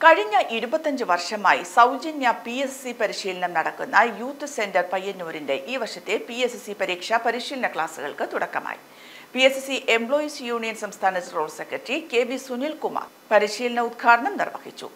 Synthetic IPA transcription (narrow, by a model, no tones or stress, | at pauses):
kɐɻiɲːɐʔiɾubɐt̪ːɐɲd͡ʑɨʋɐrʂɐmaːjisɐwd͡ʑinjɐpiessipɐɾiɕiːlɐnɐmnɐɽɐkːunːɐjuːt̪ːɨse̞ndɐrpɐjːɐnːuːɾinde̞ʔiːʋɐrʂɐt̪ːepiessipɐɾiːkʂɐpɐɾiɕiːlɐnɐkɭaːsɨɣɐ̰ɭkɨt̪uɽɐkːɐma̰ːjḭ | piessiʔe̞mbɭo̞ːisjuːɳijɐnsɐmst̪ʰaːnɐt͡ɕɐroːɭsekːrɐʈrike̞ːbisunilkumɐ̰ | pɐɾiʂiːlɐnɐud̪̚ɡʰaːɽɐɳɐmnirʋɐ̰ɣit͡ɕːṵ